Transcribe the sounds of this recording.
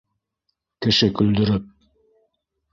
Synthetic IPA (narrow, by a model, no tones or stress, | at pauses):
kɘ̆ʃɘkɵ̆ld̪ɵ̆ɾɘp̚